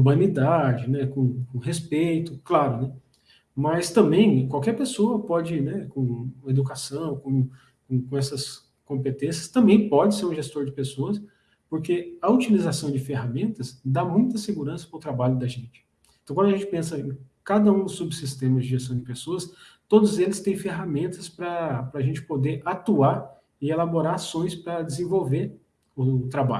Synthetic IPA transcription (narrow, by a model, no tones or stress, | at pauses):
bɐ̃nid̪ad͡ʒɪnɛkõkõɦespejt̪ʊklaɾʊnɛ | mɐst̪ɐ̃mbẽj̃kwawkɛɾpesoɐpɔd͡ʒɪnɛkõed̪ukasɐ̃w̃kõ | kõkõɛsɐs | kõpet̪ẽsjɐst̪ɐ̃mbẽj̃pɔd͡ʒɪseɾũʒest̪oɾd͡ʒɪpesoɐs | poɾkeɐut͡ʃilizasɐ̃w̃d͡ʒɪfeɦamẽnt̪ɐsd̪amũj̃t̪ɐseɡuɾɐ̃sɐ̥pɐʊt̪ɾabaʎʊd̪ɐʒẽnt͡ʃɪ̥ | t̪ɐ̃wkɐ̃d̪ɐʒẽt͡ʃɪ̥pẽsɐẽkad̪ɐũd̪ʊsubɪsist̪ẽmɐzd͡ʒɪʒest̪ɐ̃w̃d͡ʒɪpesoɐs | t̪od̪ʊzelɪst̪ẽj̃feɦamẽnt̪ɐspɾɐpɾɐaʒẽnt͡ʃɪ̥pod̪eɾʔat̪uaɾ | ɪelaboɾaɾasõj̃spɾɐd͡ʒɪzẽvowveɾ | ʊt̪ɾaba̰ʎʊ